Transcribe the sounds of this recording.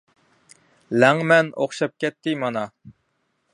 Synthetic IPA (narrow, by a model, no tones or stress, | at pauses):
læŋmɛnoχʃɑp̚kʲɛt̪ʰːɪmɑnɑ